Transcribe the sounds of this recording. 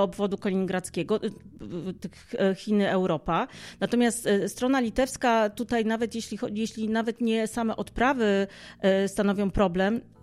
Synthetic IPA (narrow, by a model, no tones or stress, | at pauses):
ɔbvɔd̪ukɔlʲiɲiŋɡɾat̪skʲɛɡɔ | t̪ɘxxʲinɘɛwɾɔpanat̪ɔmʲjast̪st̪ɾɔnalʲit̪ɛfskat̪ut̪ajnavɛt̪jeɕlʲixɔjeɕlʲinavɛt̪ɲɛsamɛʔɔt̪pɾavɘ | st̪anɔvʲjɔ̃w̃pɾɔblɛm